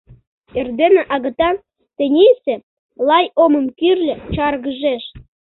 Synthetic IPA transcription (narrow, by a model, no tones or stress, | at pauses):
erd̪enĕʔɑɣə̆t̪ɑn | t̪ĕnʲesĕ | lɑjoməmkyrlʲĕt͡ɕɑrɣəʒeʃ